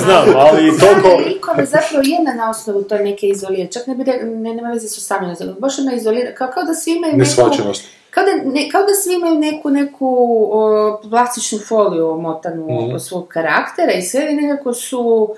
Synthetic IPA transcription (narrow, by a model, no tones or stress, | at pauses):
znaːmalit̪okoikodazapɾaʋojed̪nanaosnoʋut̪o̞jenekeizoliɾet͡ʃaknebiɾennemaʋezasosaminosbaʃjod̪naizoliɾakakaod̪asʋiimajuneesat͡ʃenost̪ | kaod̪anekao̞d̪asʋiimajune̞kune̞kʰu | plˠast̪it͡ʃnufo̞liumot̪anusʋo̞ɡ̚kaɾa̰kt̪eɾaisʋenekako̞su